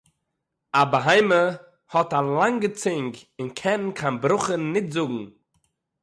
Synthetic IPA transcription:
abəɦaɪmə | hɔtalˠaŋɡət͡sɪŋɡɪnkʰɛnkʰanbɾʊχənːɪtzʊɡŋ̩

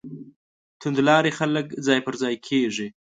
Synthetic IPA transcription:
t̪ʊnd̪lɑɾexaləkzɑjpəɾzɑjkʰeʐi

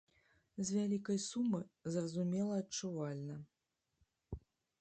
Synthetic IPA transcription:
zʲvʲalʲikɐjsumɨzrɐzumʲɛlˠɐːt͡ʂuvalʲnɐ

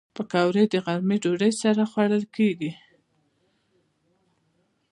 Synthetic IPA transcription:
pəkawɾəjd̪əɣaɾmiɖoɖəjsaɾaxwaɽəlkeɡi

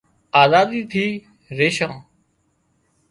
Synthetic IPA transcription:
aːzaːd̪iːt̪ʰiː | ɾeːʃãː

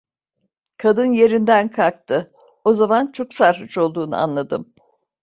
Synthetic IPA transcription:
kʰad̪ɯnje̞ɾind̪ænkʰak̚t̪ʰɯ | o̞zamant͡ʃʰo̞ksaɾɦut͡ʃo̞lˠd̪uːnɯ̰a̰nlˠad̪ɯm

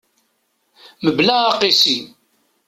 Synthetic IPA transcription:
məblæːqisi

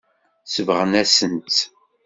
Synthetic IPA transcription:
səvʁənæsənt̪

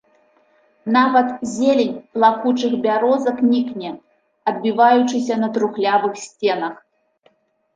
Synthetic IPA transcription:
navɐt̪zʲelʲɛnʲplˠakut͡ʂɨxbʲaɾɔzɐknʲiknʲɛ | ɐd̪̚bʲivajut͡ʂɨsʲɐnɐt̪ɾuxlʲavɨxsʲt͡sʲɛnɐx

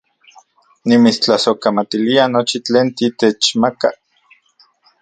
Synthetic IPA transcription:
nimit͡st͡ɬasokamat̪ilianot͡ʃit͡ɬeːnt̪it̪et͡ʃmaka

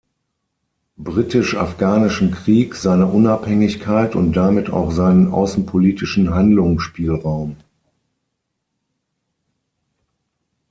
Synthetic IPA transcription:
bʁitɪʃa̰fɡ̥aːnɪʃn̩kʁ̥iːkz̥aɪnɐʔʊnaphɛŋɪçkʰaɪtʊ̰nt̚d̥amɪta̰ʊxz̥aɪnənʔa̰ʊsn̩pʰoliːtɪʃn̩ɦandlʊŋʃpiːlʁaʊm

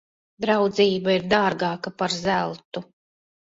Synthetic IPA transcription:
d̪ɾawd̪ziːbaiɾd̪aːɾɡɑːkapaɾzælˠt̪u

